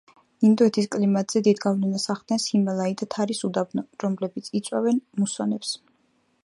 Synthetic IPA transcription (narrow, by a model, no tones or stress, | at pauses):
ind̪ɔɛt̪ʰiskʼlimat̪z̥ɛd̪id̪ɡavlɛnasaχd̪̥nɛnsimɛlˠaid̪at̪ʰaɾisud̪abnɔɾɔmlɛbit̪sʰit̪sʼwavɛnmusɔnɛps